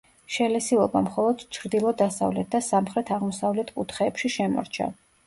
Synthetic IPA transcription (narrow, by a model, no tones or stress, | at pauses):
ʃɛlɛsilˠɔbamχɔlˠɔd̪̥t͡ʃʰɾd̪ilˠɔd̪asa̰vlɛt̪̚ʰd̪asamχɾɛt̪ʰaʁmɔsavlɛt̪ʰkʼut̪ʰχɛːpʃiʃɛmɔ̰ɾt͡ʃʰa̰